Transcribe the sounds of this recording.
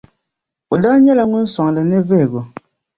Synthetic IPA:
o˨daː˦ɲɛ˦la˨ŋʊ˦n̩˦sɔ˨ŋ˨lɨ˨nɨ˦ve˦˨ɡo˨

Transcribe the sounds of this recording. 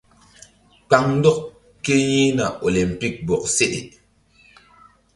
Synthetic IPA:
k͡pa˨ŋn˦dɔ˦k | kːe˦ji˦na˨ɔ˨le˨m̩˨pi˦k̚bɔ˨k̚se˦ɗḭ˨

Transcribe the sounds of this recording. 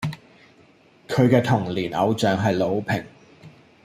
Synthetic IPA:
kʰɵ˨˧ɥkɛː˧t̪ʰʊ˨˩ŋliː˨˩nɐ̰˨˧wt͡sœː˨ŋɦɐ˨jlo˨˧wpʰɪ˨˩ŋ

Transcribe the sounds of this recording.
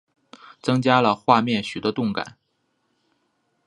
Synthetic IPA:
t͡sɤ˥ŋt͡ɕja˥lə˨xwa˥˧mjɛ˥˩nɕy˨˩d̪ə˦t̪ʊ˥˩ŋka̰˨˩˦n

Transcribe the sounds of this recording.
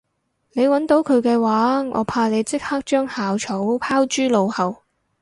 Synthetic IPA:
ne˨˧jwɐ˨˥nt̪o˨˧˥wkʰɵ˨˧ɥkɛː˧waː˨˥ʔɔ̰˨˧pʰaː˧le˨˧jt͡sɪ˥k̚haː˥k̚t͡ʃœː˥ŋhaː˨wt͡ʃʰo˨˥wpʰaː˥wt͡ʃyː˥lo˨˧whɐ˨˩w

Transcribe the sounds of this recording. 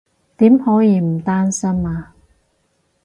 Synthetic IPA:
t̪iː˨˥mhɔː˨˥jiː˨˧m̩˨˩t̪aː˥nsɐ˥maː˨˧

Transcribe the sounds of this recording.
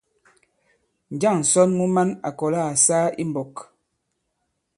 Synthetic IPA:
n̩˨d͡ʒa˦˨ŋn̩˨sɔ˦nmu˦ma˦na˨kɔ˨la˦˨saː˦ḭ˦m˨bɔ˨k

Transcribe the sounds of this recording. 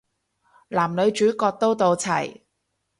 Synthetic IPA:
laː˨˩mlɵ˨˧ɥt͡ʃyː˨˥kɔː˧k̚t̪o˥wt̪o˧wt͡sʰɐ̰˨˩j

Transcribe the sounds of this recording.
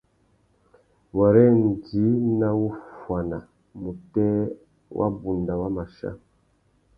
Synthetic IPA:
wa˨ɾɛ˦n˨di˨˦na˦wu˦fwa˨na˨ | mu˨tɛ˦ | wʔa̰˦bu˨nda˨wa˦ma˨ʃa̰˦

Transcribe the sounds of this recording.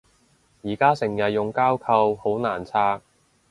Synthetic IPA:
jiː˨˩kaː˥sɪ˨˩ŋjɐ˨t̚jʊ˨ŋkaː˥wkʰɐ˧who˨˥wnaː˨˩nt͡sʰaː˥k̚

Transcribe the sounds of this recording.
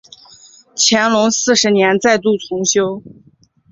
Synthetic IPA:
t͡ɕʰjɛ˧˥nlʊ˧˥ŋsɹ̩˥˩ʂɻ̩˧˥njɛ˧˥nt͡sa˥˧ɪt̪u˥˩t͡sʰʊ˧˥ŋɕjo˥ʊ

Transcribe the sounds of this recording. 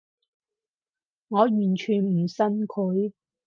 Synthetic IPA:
ŋɔː˨˧jyː˨˩nt͡ʃʰyː˨˩n̩˨˩sɐ˥nkʰʊ˨˥j

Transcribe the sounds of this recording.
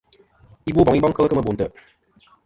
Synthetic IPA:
i˦bo˦bɔ˨ŋi˦bɔ˦ŋkə˦lə˦kə˦mə˦˨bo˨ntə˨

